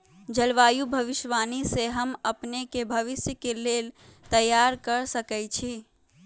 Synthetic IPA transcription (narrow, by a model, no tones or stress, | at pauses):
d͡ʒəlʋajubʱəʋiʃʋaniseɦəməpnekebʱəʋisjəkelelt̪əjːaɾkəɾsəkɛjt͡ʃʰi